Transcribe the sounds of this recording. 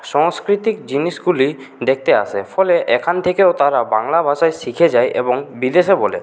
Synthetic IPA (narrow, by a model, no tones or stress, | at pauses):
ʃɔŋskɾit̪ikd͡ʑiniʃɡuli | d̪ek̚ʰt̪ea̰ʃʰefɔleʔekʰant̪ʰekeot̪aɾabaŋlabʱaʃaeʃikʰed͡ʑajʔḛboŋbid̪eʃebɔlḛ